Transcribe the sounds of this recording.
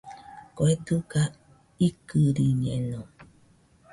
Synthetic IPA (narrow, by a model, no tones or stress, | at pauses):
koet̪uka | ikɨɾiɲẽnõ